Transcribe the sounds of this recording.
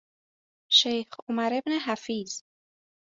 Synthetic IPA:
ʃejxomæɾe̞bneɦæfiːz̥

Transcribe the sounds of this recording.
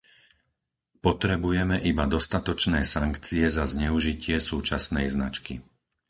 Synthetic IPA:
pɔt̪ɾɛbujɛmɛʔibad̪ɔst̪at̪ɔt͡ʃnɛːsaŋkt͡siɛzazɲɛuʒicɪɛsuːt͡ʃasnɛjzna̰t͡ʃkḭ

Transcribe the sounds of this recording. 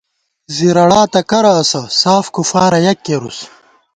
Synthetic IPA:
ziɾɐɽaːt̪ɐkɐɾɐːsɐsaːfkufaːɾɐjɐkːeɾus

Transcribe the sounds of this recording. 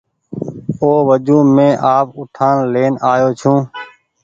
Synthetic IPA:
oːʋəd͡ʒũːmẽːʔaːpʊʈʰaːnleːnaːjoːt͡ʃʰũː

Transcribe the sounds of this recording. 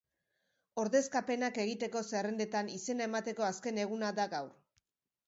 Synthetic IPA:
o̞ɾðe̞skape̞nake̞ɣ̞it̪e̞ko̞se̞rend̪e̞t̪anise̞nae̞mat̪e̞ko̞aske̞ne̞ɣ̞unaðaɡawɾ

